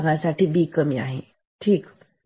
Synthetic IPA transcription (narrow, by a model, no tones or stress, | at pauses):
ɡasaʈʰibiːkəmia̰ɦḛ | ʈʰiːk